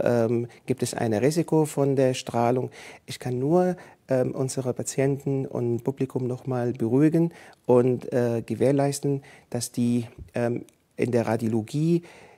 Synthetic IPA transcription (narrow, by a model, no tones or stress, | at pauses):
ʔɛːmɡ̥iːptɛsʔa̰ɪnʁiːzɪkʰofɔndeːɐʃtʁ̥aːlʊŋʔɪçkʰanːuːɐʔɛːmʔʊnzəʁəpʰat͡sjɛntn̩ʔʊ̰ntpʰublɪkʰʊmnɔχmaːlbəʁuːɪɡənʔʊntʔɛːɡ̥əveːɐlaɪstn̩d̥asd̥iːʔɛːm | ʔɪ̰ndeːɐʁadjoloɡiː